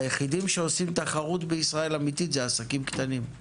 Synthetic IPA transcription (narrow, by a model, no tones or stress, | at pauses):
jeχid̪imʃe̞o̞simt̪aχaʁut̪beisʁae̞lamit̪izeasakimkt̪anim